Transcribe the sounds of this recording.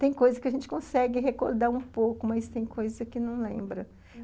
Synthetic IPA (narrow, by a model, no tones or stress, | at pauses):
t̪ẽj̃kojzɐskɪɐʒẽnt͡ʃɪ̥kõsɛɡɪɦeko̰ɾd̪aũpowkʊmɐst̪ẽj̃kʰojzɐɐkɪnɐ̃w̃lẽmbɾɐ